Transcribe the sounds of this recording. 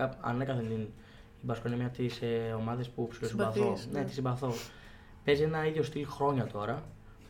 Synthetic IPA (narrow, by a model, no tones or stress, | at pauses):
ɐɐ̰nekɐθent̪in | ibɐskoinemɲɐt̪iseo̞mɐðe̞spupsilosibɐθonet̪i̥simbɐθo̞ | pe̞zienɐiðʝo̞st̪ilxɾo̞ɲɐt̪o̞ɾɐ